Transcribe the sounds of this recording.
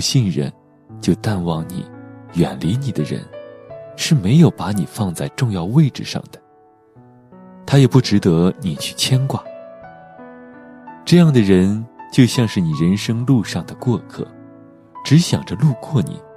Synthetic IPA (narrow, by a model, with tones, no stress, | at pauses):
ɕi˥˩nɻə̰˧˥n | t͡ɕjo˥˧ʊt̪a˥˧nwɑ˥˩ŋnḭ˨˩˦jɥɛ˨˩nli˧˥ni˨˩d̪ə˦ɻə̰˧˥nʂɻ̩˥˩me˧˥ɪjo˨˩ʊpa˧˥ni˨˩fɑ˥˧ŋt͡sa˥˧ɪʈ͡ʂʊ˥˧ŋjɑ˥˧ʊwe˥˧ɪʈ͡ʂɻ̩˥˧ʂɑ̰˥˩ŋd̪̥ə̥˩ | t̪ʰa˥jɛ˨˩pu˥˩ʈ͡ʂɻ̩˧˥t̪ɤ˧˥ni˨˩t͡ɕʰy̥˥˩t͡ɕʰjɛ˥nkwa˨˩˦ | ʈ͡ʂɤ˥˧jɑ˥˩ŋd̪ə˩ɻə˧˥nt͡ɕjo˥˧ʊɕjɑ˥˧ŋʂɻ̩˥˩ni˨˩ɻə˧˥nʂɤ˥ŋlu˥˧ʂɑ˥˩ŋd̪ə˩kwɔ˥˧kʰɤ̰˥˩ | ʈ͡ʂɻ̩˧˥ɕjɑ̰˨˩ŋʈ͡ʂə˦lu˥˧kʰwɔ˥˩nḭ˨˩˦